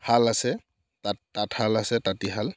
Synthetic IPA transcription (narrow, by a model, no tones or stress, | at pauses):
halasɛ | tattathalasɛtatiɦal